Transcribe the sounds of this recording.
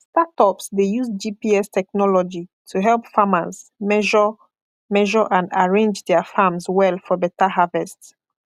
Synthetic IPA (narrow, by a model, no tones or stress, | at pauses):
statɔpsdejuzd͡ʒipiɛstʰɛk̚nɔlɔd͡ʒitʰuɦɛlˠpfamazmɛʒɔ | mɛʒɔʔãndaɹẽnd͡ʒdɛəfãmzwɛlfɔbɛtaɦavɛsts